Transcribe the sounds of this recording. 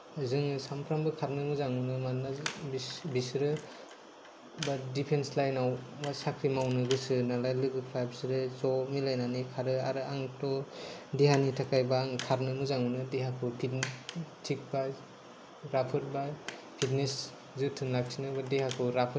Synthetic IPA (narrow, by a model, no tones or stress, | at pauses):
azɯŋsampʰɾambɯkʰaɾnɯmɯzaŋɯnɯmanːabibisɾɯ | badipʰenslajnawbasakʰɾimawnɯɡɯsɯnalajlɯɡɯpʰɾajpsɾɯzɔmilajnanikʰaɾɯaɾɯaŋtɔdiɦanitʰakajbaːŋkʰaɾnɯmɯzaŋunɯdeɦakʰɯpʰittʰik̚ba | ɾapʰɯɾba | pʰit̚nes | zɯtʰɯnlak̚sinɯbadeɦakʰɯɾapʰɯ